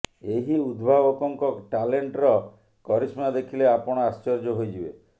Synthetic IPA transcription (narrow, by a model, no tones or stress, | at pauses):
eɦiud̪bʱabɔkɔŋkɔʈaleɳʈɾɔ | kɔɾismad̪ekʰileapɔɽ̃ɔast͡ʃɔɾd͡ʒɔɦojd͡ʒibe